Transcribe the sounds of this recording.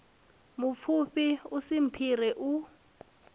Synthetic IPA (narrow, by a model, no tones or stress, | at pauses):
mʊfʰuɸiusim̩pʰirɛʔu